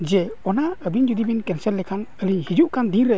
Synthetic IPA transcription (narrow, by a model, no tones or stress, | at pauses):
d͡ʒeɔnaəbind͡ʒud̪ibinkɛnselːekʰaŋəɾihid͡ʒuʔkʰandiŋɾɯ